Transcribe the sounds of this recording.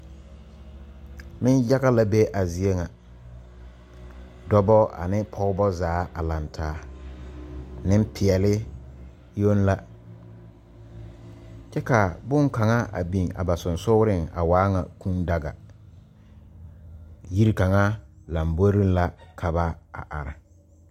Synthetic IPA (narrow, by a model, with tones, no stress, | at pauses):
mɪ˦nja˦ɣa˦la˦be˦ʔa˨zi˨e˦ŋa˨ | dɔ˦bɔ˦a̰˨nɪ˦pʰɔ˦ɣʊ˦bɔ˦zaː˨˦ʔa˨la˨ntʰaː˨˦ | nɪ˦m˦pʰɪ˨ɛ˨lɪ˦ | jo˦nla˦ | t͡ʃɛ˦ka˨bʊ˦ŋka˨ŋa˦a̰˨bi˨ŋa̰˨ba˨sʊ˨nsʊ˦ɾɪ˦˨ŋa̰˨waː˦ŋa˨kũ˦nda˨ɡa̰˨ | ji˦ɾi˦ka˨ŋa˦la˨mbo˦ɾi˦n˦la˦kʰa˨ba˦a̰˨ʔa̰˨ɾa̰˨